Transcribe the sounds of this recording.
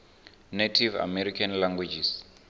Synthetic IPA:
netʰiva̰mɛɾikʰanlaŋɡwed͡ʒis

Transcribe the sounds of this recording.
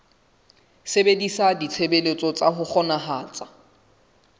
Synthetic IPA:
sebedisadit͡sʰebelet͡sʼɔt͡sʼaɦʊχɔnaɦaːt͡sʼḁ

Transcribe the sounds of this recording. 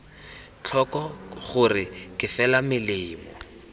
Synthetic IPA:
t͡ɬʰɔkɔχʊrɪkɪfɛlamɪlɪːmɔ̰

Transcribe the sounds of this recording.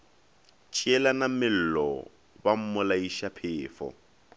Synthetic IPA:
t͡ʃʼiɛlanamɪl̩lɔ̰ | bam̩mʊlaiʃapʰɪːfɔ̰

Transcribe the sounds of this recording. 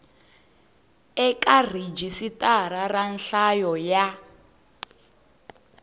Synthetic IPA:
ɛkar̤id͡ʒisitʼaɾaranɬajɔja

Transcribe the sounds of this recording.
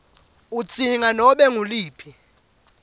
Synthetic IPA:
ut͡sʰʼiŋanɔɓɛŋuliːpʰi

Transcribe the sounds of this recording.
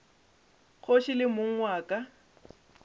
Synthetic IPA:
k͡xʰoʃilɪmʊŋ̩ŋwaːkʼa

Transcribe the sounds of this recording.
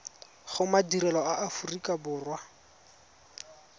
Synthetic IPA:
χʊmadiɾɛlɔaʔafurikʼabʊːrwa

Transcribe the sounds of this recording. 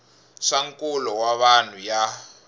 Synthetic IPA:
ʂaŋkʼulɔwaβan̤uja

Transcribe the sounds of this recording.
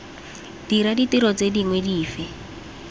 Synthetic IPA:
d̥iɾaditiɾɔt͡sediŋwediːfɪ

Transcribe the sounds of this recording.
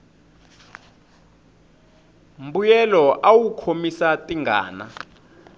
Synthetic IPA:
mbujɛlɔʔawukʰomisatʼiŋɡa̰ːna

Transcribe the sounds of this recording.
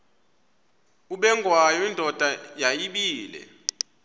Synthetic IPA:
uɓɛŋʱwajɔindʱɔd̥ʱajajiɓiːlɛ̰

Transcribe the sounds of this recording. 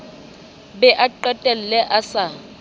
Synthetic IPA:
bɛʔaǃɛtʼɛl̩lɛʔasa

